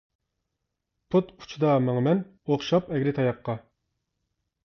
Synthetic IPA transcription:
pʰut̪ʰu̥t͡ʃʰud̪ɑmɑŋmɛn | oχʃɑpɛɡʲɾɪt̪ʰɑjɑqːɑ

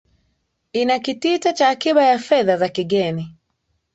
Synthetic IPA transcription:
inakititat͡ʃaːkiɓajafɛðazakiɠɛni

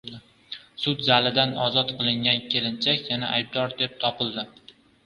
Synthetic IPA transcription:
ɪ | sʊt̪zalɪd̪anɒzɒt̪qʰɨlˠɪŋɡʲankʲʰe̞lɪnt͡ʃʰakʲjanaʔajb̚d̪ɒɾd̪ep̚t̪ʰɒpɪlˠd̪ɪ

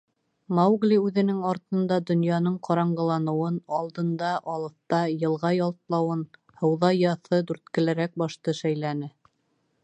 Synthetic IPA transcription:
mawɡlʲiʉðɘ̆nɘŋɑɾt̪ɤ̆nd̪ɑd̪ŏnjɑnɤɴqʰɑɾɑɴɢɤ̆lˠɑnɤ̆wɤnɑlˠd̪ɤ̆nd̪ɑʔɑlˠɤ̆θt̪ɑjɤ̆lˠʁɑjɑlˠt̪lˠɑwɤn | hɤ̆wðɑjɑθɤd̪ʉɾt̪kɘ̆læɾæk̚bɑʃt̪ɤʃæjlænɘ

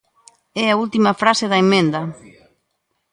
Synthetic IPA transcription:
ɛɐult̪imɐfɾaseðɐemẽnd̪ɐ

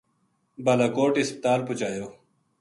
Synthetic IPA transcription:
bɐlakoːʈispɪ̥t̪aːlput͡ɕaːjoː

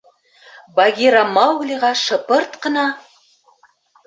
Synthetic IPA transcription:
bɑɡʲiɾɑmɑwɡlʲiʁɑʃɤ̆pɤɾt̪qə̆nɑ

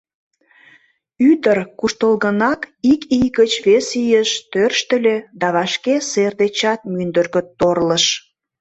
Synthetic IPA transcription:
yd̪ərkuʃt̪əlɣənɑkikijɣət͡ɕβesijəʃt̪ørʃt̪ə̆lʲed̪ɑβɑʃkeserd̪et͡ɕɑt̪̚mynd̪ərɣət̪ːorləʃ

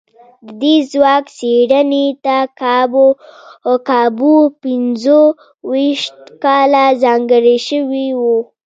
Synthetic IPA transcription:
d̪əd̪ezwɑkseɽənet̪akɑbo | kɑbupɪnzo | wiʃt̪kɑlazɑŋɡəɾiʃəwiwu

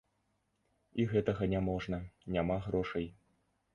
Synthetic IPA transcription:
iɣɛt̪ɐɣɐnʲamɔʐnɐnʲamaɣɾɔʂɐj

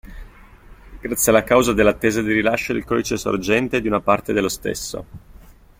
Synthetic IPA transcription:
ɡ̥ɾat̪sːjalːakawzad̪elːat̪ːeːzad̪irilaʃːod̪ḭlkɔd̪it͡ʃɛso̰rd͡ʒɛnt̪ed̪iunapart̪ed̪elːost̪ḛsːo̰

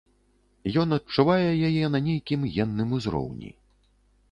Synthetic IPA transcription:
jɔn̪ɐt̚t͡ʂːuvajɛjajɛnɐnʲejkʲimjɛnːɨmuzɾɔ̰wnʲḭ

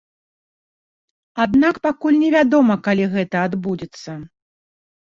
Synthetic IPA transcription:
ad̪nakpakulʲnʲɛvʲad̪ɔmɐkalʲiɣɛt̪ɐad̪bud͡zʲɛt̪sːɐ

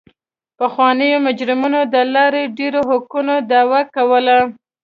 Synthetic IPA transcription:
paxwɑnəjomʊd͡ʒɾɪmunod̪əlɑɾeɖeɾoɦakunod̪ɑwakawəla

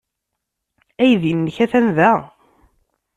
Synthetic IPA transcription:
æjðinːəçæθænðæ

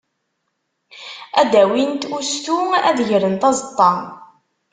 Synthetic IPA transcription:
æd̪æwint̪ust̪uæ̰ðʝɾənt̪ɑzət̪ˤːɑ

